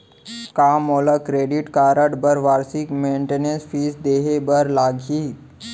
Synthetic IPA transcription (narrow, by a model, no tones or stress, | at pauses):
kamoləkɾeɖiʈkaɾəʈbəɾʋaɾsikmeɳʈenensfiːsd̪eɦebəɾlaɡʱi